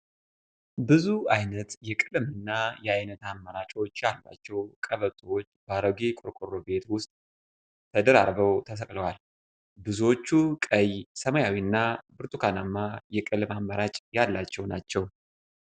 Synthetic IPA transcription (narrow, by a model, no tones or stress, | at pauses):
bɨzuajnət̪jɛkʼɨlmɨnːajɛajnət̪amːəɾat͡ʃʼo̞t͡ʃːjalːa̰t͡ʃːɛwkʼəβət̪ʼwot͡ʃːbaɾəɡekʼʊɾkʼoɾo̞be̞t̪wʊst̪ʼ | t̪ʰəd̪əɾa̰ɾbəwt̪ʰəs̬əkʼləwal | bɨzuwot͡ʃːukʼəjsəməjawinːabɨɾt̪ʼukʰanamːajɛkʼɨlmamːəɾat͡ʃʼjalːat͡ʃːɛwnat͡ʃːɛw